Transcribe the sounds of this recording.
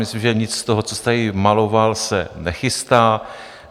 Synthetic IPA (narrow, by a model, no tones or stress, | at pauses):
mɪslimʒɛɲɪt͡sst̪oɦot͡sost̪ajɪmalo̞valsɛnɛxɪst̪aː